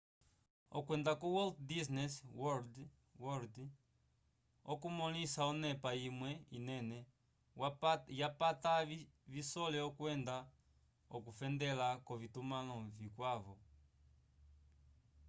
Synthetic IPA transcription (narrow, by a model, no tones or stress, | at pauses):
ɔkwɛndakuwɔlddis̬nɛswɔld | wɔɾd | ɔkumɔlisaɔnɛpaimwɛinɛnɛ | japatavisɔlɛɔkwɛnda | ɔkufɛndɛlakɔvitumanɔvikwaβɔ